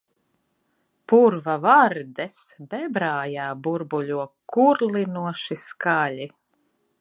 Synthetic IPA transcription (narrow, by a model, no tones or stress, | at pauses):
puɾvavaɾd̪ɛsbɛbɾaːjaːbuɾbuʎʲuɔkuɾlˠinuɔʃiskalʲi